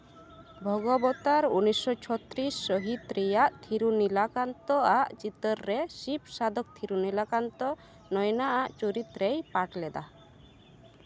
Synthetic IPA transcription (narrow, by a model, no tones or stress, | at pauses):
bʱɔɡɔbɔt̪aɾunisɔt͡ʃʰɔt̪ɾisːɔɦit̪ɾɛjaʔt̪ʰiɾunilakant̪ɔaʔt͡ʃit̪ɔɾːɛsip̚ʰsad̪ʱɔk̚t̪ʰiɾunilakant̪ɔ | nɔjnaʔaʔt͡ʃuɾit̪ɾejpaʈlɛd̪a̰